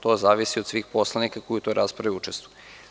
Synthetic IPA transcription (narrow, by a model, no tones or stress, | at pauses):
t̪ozaːʋisiod̪sʋiːxpo̞slˠanikakojut̪oɾʔaspɾaʋiut͡ʃest̪vu̥ju